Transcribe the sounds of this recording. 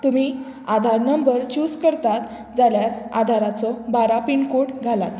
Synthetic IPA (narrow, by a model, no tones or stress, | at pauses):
t̪um̤iː | ad̪ʱaɾnəmbəɾt͡ɕuskəɾt̪at̪ | d͡zaljaɾa̰d̪ʱaɾat͡sɔbaɾapiɳkoʈɡʱala̰t̪